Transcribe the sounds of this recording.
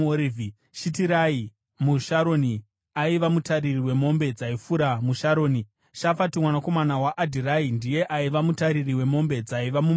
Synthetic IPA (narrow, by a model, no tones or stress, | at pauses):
oɾivi | ʃitiɾai | muʃaɾo̞ni | aiʋamutaɾiriwe̞mo̞mbe̞d͡zaifuɾamuʃaɾo̞ːni | ʃafatimwanako̞manawaʔːdʱiraindije̞ʔaiʋamutaɾiriwe̞mo̞mbe̞d͡zaiʋamum